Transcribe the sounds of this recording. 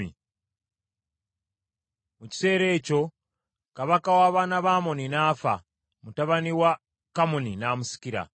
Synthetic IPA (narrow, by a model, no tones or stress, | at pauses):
ḭ | muci̥se̞ːɾe̞ːco̞ | kaβakawaːβaːnaβaːmoninaːfa̰ | mutaβaniwa | kamoninaːmusi̥kiɾa̰